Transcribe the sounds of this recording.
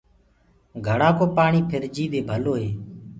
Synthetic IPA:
ɡʱəɽaːkoːpaːɳiːpʰɪɾd͡ʒiːʋ̪eːbʱəloːɦeː

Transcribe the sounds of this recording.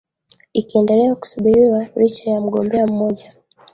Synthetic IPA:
ikiɛndɛlɛaku̥suɓiɾiwalit͡ʃajam̩ɠɔmbɛam̩mɔʄa

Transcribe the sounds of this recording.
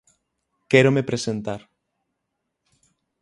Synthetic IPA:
kɛɾomepɾesent̪aɾ

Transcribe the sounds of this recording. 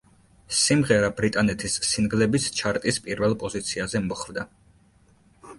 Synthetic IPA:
simʁɛɾabɾit̪ʼanɛt̪ʰisːinɡlɛbist͡ʃʰaɾt̪ʼispʼiɾvɛlˠpʼɔzit̪sʰiazɛmɔχvd̪a

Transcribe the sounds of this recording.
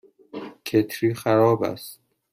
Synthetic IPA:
kʰet̪ʰɾiːxæɾɒːbæ̰st̪

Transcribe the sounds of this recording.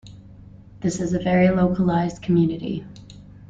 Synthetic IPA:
ðɪsɨzɨvɛɹiloʊkʰəlaɪzdkʰmjʉnɨɾḭ

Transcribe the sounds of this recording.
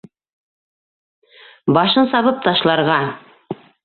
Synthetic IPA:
bɑʃɤnsɑβɤp̚t̪ɑʃlˠɑɾʁɑ

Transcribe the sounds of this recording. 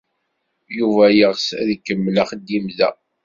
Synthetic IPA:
juvæjəʁsæðikːəmːlaχd̪ːimðæ

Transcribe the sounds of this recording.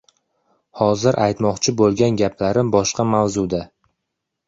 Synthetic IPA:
hɒzɪɾʔajt̪mɒqt͡ʃʰɪbolˠɡʲanɡʲapʰlaɾɪmbɒʃqɑmawzud̪a

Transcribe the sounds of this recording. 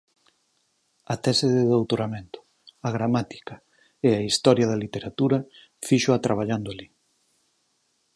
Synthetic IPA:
ɐt̪ɛseðɪðowt̪oɾamẽnt̪ʊ̥ | aɣɾamat̪i̥kɐ | eaist̪ɔɾjɐðɐlit̪eɾat̪uɾɐ | fiʃoat̪ɾʔaβ̞aʎand̪ʊali

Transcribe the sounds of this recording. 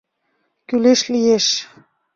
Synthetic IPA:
kyleʃlijeʃ

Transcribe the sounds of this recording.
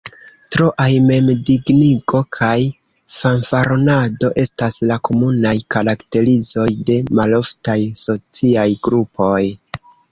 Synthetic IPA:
tɾo̞ʔajme̞mdiɡniɡo̞kʰaj | fanfaɾonado̞ʔe̞staslako̞munajkaɾakte̞ɾizo̞jde̞malo̞ftajso̞t͡siajɡɾupo̞j

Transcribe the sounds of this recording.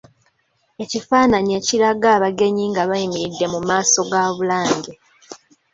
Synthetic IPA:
e̞cifaːnaɲe̞ːciɾaɡaːβaɡe̞ɲiːŋɡaβajimiɾidːe̞mumaːso̞ɡaβulaːɲɡe

